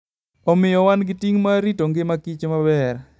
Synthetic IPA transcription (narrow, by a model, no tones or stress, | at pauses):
ɔmɪjɔwanɡɪtiŋmaɾitoŋɡemakit͡ʃemabɛr